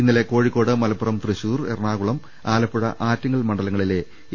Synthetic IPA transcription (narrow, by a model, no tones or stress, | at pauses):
inːɐle̞ko̞ːɻikːo̞ːɽɨmɐlɐpːurɐmt̪rɨɕuːrerɳaːɣuɭɐm | aːlɐpːuɽɐ̰ʔaːtːɐŋːɐɭmɐɳɖɐlɐŋːɐɭile̞